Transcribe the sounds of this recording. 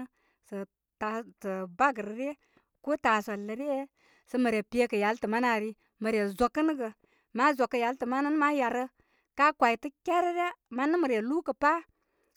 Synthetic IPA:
sə˨ | ta˨tə˨ba˦ɡə˨ɾə˨ɾe˦ | ko˦ta˨so˨lːə˨ɾe˦ | sə˦mə˨ɾe˨pe˦kə˨ja˨˦ltə˨ma˦na˨ɾi˦ | mə˨ɾe˨zo˨kːə˦n˦ɡə˨ | ma˦zo˨kːə˨ja˨ltə˨ma˦nə˦n˦ma˦ja˨ɾə˦ | ka˦kʷa˨i˨tə˦kʲe˦ɾə˦ɾa˦ma˦nə˦mə˨ɾe˨lu˦kə˨pa˦

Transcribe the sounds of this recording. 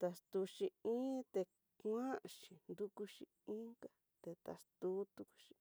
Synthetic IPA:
t̪a˧st̪u˧ʃi˧ĩ˦t̪e˧ | kã˦˧ʃi˨nd̪u˦ku˧ʃi˧ĩ˦ka˦ | t̪e˧t̪a̰˨st̪u˦t̪u˧ku̥˧ʃi̥˧

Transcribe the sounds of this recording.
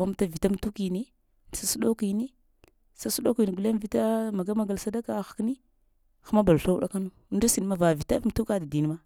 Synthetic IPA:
a˦m˦ta˦vi˨ta˦m˨tu˦ki˨ni˦˨ | sa˦su˦ɗo˦ki˨ni˦ | sa˦su˦ɗo˦ki˨ni˨ɡu˨le˦n˦vi˦ta˦ma˨ɡa˦ma˨ɡa˨lsa˦da˦ka˨xḁ˨kni˦ | xa˦ma˦ba˨lɬa˦u˦ɗa̰˦ka˦nu˦n˦da˦si˨n˦ma˦va˨vi˨ta˦m˨tu˦ka˦da˨di˨n˦ma˦

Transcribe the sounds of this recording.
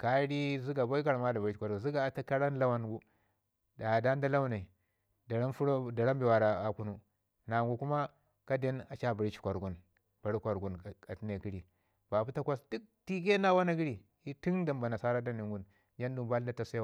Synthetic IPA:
ka˦ɾi˦zi˦ɡa˨bo˦i˦ka˨ɾma˦da˨ba˨i˦i˨kʷa˨ɾu˨zi˦ɡa˨ta˦ka˦ɾa˦n˦la˦wa˦nɡu˦ | da˨da˦n˦da˦la˦wna˨i˨ | da˨ɾa˦fu˦ɾo˦da˨ɾa˦mbi˨wa˨ɾa˨a˨ku˦nu˦ | na˨ŋɡu˨ku˦ma˦ | ka˦de˦na˨t͡ʃa˦˨ba˨ɾi˦t͡ʃi̥˨kʷa˨ɾɡu˨n | b̥a˨ɾi˦kʷa˨ɾɡu˨n˨ka˨ti˦ne˨ki˦ɾi˨ | b̥a˨bu˦ta˦kʷa˦sdu˦k̚ti˦ke˦na˦wa˦na˦ɡi˦ɾi˨ | i˦ti˦ŋda˨mba˨na˨sa˦ɾa˦da˦ni˨ŋɡu˦n | d͡ʒa˦ndu˨mba˦lda˦ta˨se˦wa˨

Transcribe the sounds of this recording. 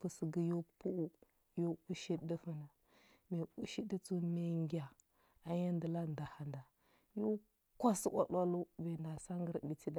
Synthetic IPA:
pu˨sə˨ɡi˦jo˦pu˦ʔu˦ | jo˦u˦ʃi˦də˦fə˦na˨ | me˨u˦ʃi˦di˦t͡su˦me˨ŋɡʲa˨ | a˨ja˦ndə˨la˦n˨da˨ha˨nda˨ | jo˦ | kʷa˦si˦ʔa̰˦ɗʷa˦lu˦ve˨na˨sa˦ŋɡə˦ɾbi˨ti˦da˨

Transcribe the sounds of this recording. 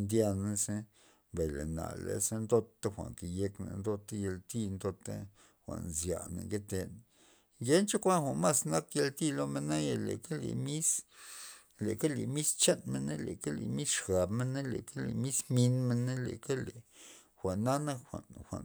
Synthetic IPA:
nd̪ja˧na˦se˦ | ba˨jlḛ˨na̰˨lḛ˨se˦nd̪o˦t̪ːa˦xʷa̰˨ŋke˨je˧knḛ˨nd̪o˧t̪a˦je˧lt̪i˦˧nd̪o˧t̪a̰˦ | xʷa̰˨nzja˨nḛ˨ŋɡe˦t̪e˧n | ɡe˦nt͡ʃa˦kʷa˦nxʷa˨nma˦sna˦kje˧lt̪i˦lo˦me˧na˦ja˧lḛ˨ke˦lḛ˨mi˦s | le˨ke˦le˨mi˦st͡ʃe˦nme˦ne˦le˨ka˦lḛ˨mi˦sʂɡa˨bme˦na˦le˨ka˦lḛ˨mi˦smi˧nme˧nːe˦le˨ke˦le˨ | xʷa˨ʔnːa˦na˦xʷa̰˨nxʷa̰˨n

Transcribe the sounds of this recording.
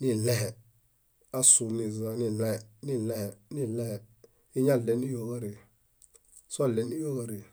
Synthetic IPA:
ni˦˨lɛ˦hɛ˨ | a˦su˨ni˨za˨ni˨lɛ˦ɛ˨ni˦lɛ˦hɛ˨ni˦lɛ˦hɛ˨ | i˦ɲa˦˨le˨ni˦jo˨ɡa˦ɾi˨ | sa˦˨le˨ni˦jo˦ɡa˦ɾi˨

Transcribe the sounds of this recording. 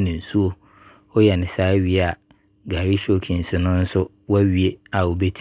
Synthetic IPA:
nɪ̃˨su˦o˦ | ɔ˦jɛ˨nɪ̃˨saː˦ɥi˦˨a˨ | ɡa˨ɾi˦ɕo˨kʰĩ˨n̩˨sɪ˨nʊ̃˦n̩˦sʊ˦ | wa˦ɥi˦e˦a˨wo˨be˦tʰ

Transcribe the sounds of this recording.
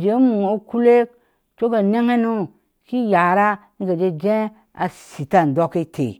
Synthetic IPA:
d͡ʒe˨˦mu˨ŋo˨˦ku˦le˦ | t͡ʃo˦ɡa˨ne˦ŋe˦nu˦ | ki˦ja˨ɾa˦ŋ̩˦ɡa˨d͡ʒe˦d͡ʒẽ˦ | a̰˨si˨ta˦n˨do˦ke˦tʰḛ˨

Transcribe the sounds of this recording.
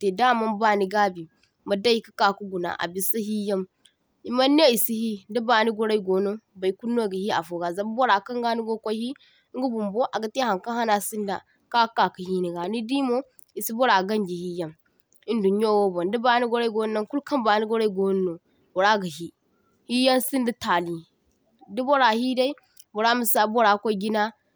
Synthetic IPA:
te˨da˦˨ma˦mba˦ni˨ɡa˦bi˨ | ma˨da˦ji˦kə̥˦ka˨ku˦ɡu˨na̰˨ʔa̰˨bi˨sa˦hi˦ja˦m | i˨ma˦nː˦e˦i˨si˦hi˦ndə˦ba˨ni˦ɡo˦ɾa˦i˦˨ɡo˨no˦ba˨i˨˦ku˦nːo˦˨ɡi˨hi˦a̰˨fo˨ɡa˨za˨bbo˦ɾa˨kɐ˦ŋɡa˦ni˦ɡo˦ko˦hi˦ | ŋ˦ɡu˦bu˨mbo˦ʔa˨ɡa˨˦te˦ha˨ŋka˦ha˦na˨si˦nda̰˨ | ka˦kːa˨ki˨hi˦ni˨ɡa˨ni˦di˦mo˦ | i˨si˦bo˦ɾa˨ɡɐ˦nd͡ʒi˨hi˦ja˦m | i˦ndu˨ɲ˦o˦wo˦bo˨ndi˦ba˨˦ni˦ɡo˦ɾa˦i˦ɡo˦n˦na˦ŋku˦lka˦mba˨ni˦ɡo˦ɾa˦i˦ɡo˦n˦no˨ | bo˨ɾa˦ɡə˨ɦi˦ | hi˦ja˦nsi˦ndi˦ta˨li˨ | di˦bo˦ɾa˨hi˦da˦i˦ | bo˨ɾa˦mu˨sa˨bo˦ɾa˨kʷo˦i˦ɡi˦na˦

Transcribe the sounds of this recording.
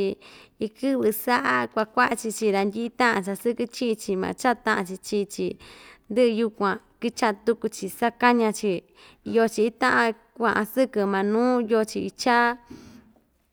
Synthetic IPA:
i˧i˧kɨ˦βɨ˧sa˦ʔa˧kʷa˧kʷa˦ʔa˧t͡ʃi˧t͡ʃi˧ɾa˧nd̪ʲi˦i˦t̪ã˦ʔã˧t͡ʃa˧sɨ˦kɨ˧t͡ʃĩ˦ĩ˧t͡ʃi˧mã̰˧t͡ʃa˦t̪ã˦ʔã˧t͡ʃi˧t͡ʃi˧t͡ʃi˧nd̪ɨ˦ʔɨ˧ju˧kʷã˨˧ki˦t͡ʃa˧t̪u˧ku˧t͡ʃi˧sa˦ka˦ɲã˧t͡ʃi˧ | jo˧t͡ʃi˧t̪ã˦ʔã˧ | kʷã˧ʔã˧sɨ˦kɨ˧mã˧nũː˦jo˧t͡ʃi˧i˧t͡ʃa˦

